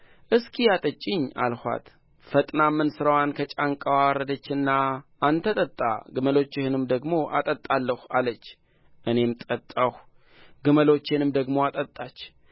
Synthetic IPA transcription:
ʔɨskʰʼijat̪ʼət͡ʃʼːɪɲːa̰lhʷa̰t̪ | fət̪ʼnamːɨnsɨɾəwankʰət͡ʃʼaŋkʼəwawɾəd̪ət͡ʃːɨnːaʔːnt̪ʰət̪ʼət̪ʼːa̰ɡɨməlo̞t͡ʃːɪhɨnɨmd̪əɡmo̞ʔa̰t̪ʼət̪ʼːalːəhalət͡ʃː | ʔɨne̞mt̪ʼət̪ʼːəh | ɡɨməlo̞t͡ʃːɪnɨmd̪əɡmo̞at̪ʼət̪ʼːat͡ʃː

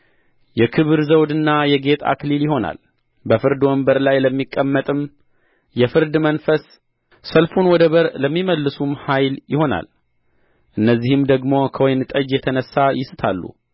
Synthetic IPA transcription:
jɛkʰɨβɨɾzəwd̪ɨnːajɛɡe̞t̪ʰa̰kliljɪɦo̞na̰l | bəfɨɾd̪wɔmbəɾlajləmːikʼːəmːət̪ʼɨm | jɛfɨɾd̪mənfəsː | əlfunwɔd̪əβəɾləmːiməlːɨsumhajljɪho̞na̰l | ʔɨnːəzːihɨmd̪əɡmo̞kʰəwɔjnt̪ʼəd͡ʒjɛt̪ʰənəsːajɪsɨt̪ʰalːṵ

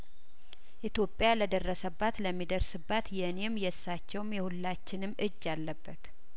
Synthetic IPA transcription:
ʔit̪jo̞pʼːjaləd̪ərːəsəbːat̪ləmːid̪əɾsɨbːat̪jɛne̞mjɛsːat͡ʃːɛwmjɛhulːat͡ʃːɪnɨmːʔɨd͡ʒːalːəbːət̪

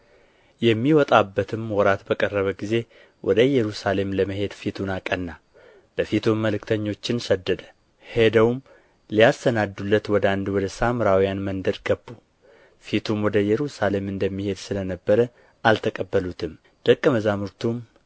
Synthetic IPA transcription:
jɛmːiwɔt̪ʼabːət̪ʰɨmwɔɾat̪bəkʼərːəβəɡize̞ | wʔɔ̰d̪əjɛɾusale̞mləməɦe̞d̪fit̪ʰunakʼənːa | b̥əfit̪ʰumːəlɨkt̪ʰəɲːo̞t͡ʃːɪnsəd̪ːəd̪ə̥ | hed̪əwm | lijast̪ənad̪ːulːət̪wɔd̪əand̪wɔd̪əsamɨɾawijanmənd̪əɾɡ̥əbːu | fit̪ʰumwɔd̪əjɛɾusale̞mɨnd̪əmːihe̞d̪sɨlənəbːəɾə | ʔalt̪ʰəkʼəbːəlut̪ʰɨm | d̪̥əkʼːəməzamuɾt̪ʰum

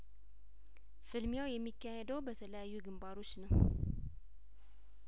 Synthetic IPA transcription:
fɨlmjawjɛmːikːahɛd̪əwbət̪ʰələjajːuɡɨmbaɾo̞t͡ʃːnəw

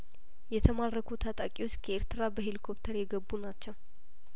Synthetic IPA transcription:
jɛt̪ʰəmaɾːəkʰut̪ʰat̪ʼakʼiwo̞t͡ʃːkʰəeɾt̪ɨɾabəɦelikʰopt̪ʰəɾjɛɡəbːunat͡ʃːəw

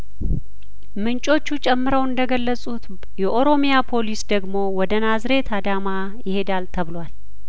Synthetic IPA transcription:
mɨnt͡ʃʼo̞t͡ʃːut͡ʃʼɛmːɨɾəwɨnd̪əɡəlːəsʼut̪ | jɛʔo̞ɾo̞mijapʰo̞lisd̪əɡmo̞wɔd̪ənazɾe̞t̪ʰad̪ama | jɪhe̞d̪alt̪ʰəβɨlwal

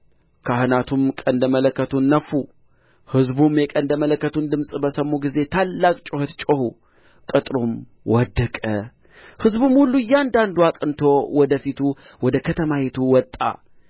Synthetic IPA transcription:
kʰahɨnat̪ʰumkʼənd̪əmələkːət̪ʰunːəfːu | hɨzbumjɛkʼənd̪əmələkːət̪ʰund̪ɨmsʼbəsəmːuɡize̞t̪ʰalːakʼt͡ʃʼohet̪t͡ʃʼohu | kʼɨt̪ʼɾum | wɔd̪ːəkʼə | hɨzbumhulːujːand̪and̪uakʼɨnt̪ʰo̞wɔd̪əfit̪ʰu | wɔd̪əkʰət̪ʰəmahit̪ʰuwɔt̪ʼːa̰

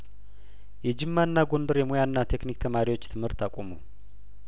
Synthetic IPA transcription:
jɛd͡ʒɨmːanːaɡo̞nd̪əɾjɛmojanːat̪ʰe̞knik̚t̪ʰəmaɾiwo̞t͡ʃːt̪ʰɨmhɨɾt̪ːakʷʼomu

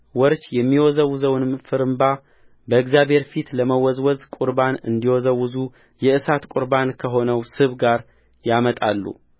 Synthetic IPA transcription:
wɔɾt͡ʃjɛmːiwɔzəwzəwnɨmfɨɾɨmba | bəɨɡzjaβhe̞ɾfit̪ləməwɔzwɔzkʼuɾbanɨ̰nd̪iwɔzəwʊzu | jɛʔɨsat̪kʼuɾbankʰəɦo̞nəwsɨβɡaɾ | jamət̪ʼalːṵ

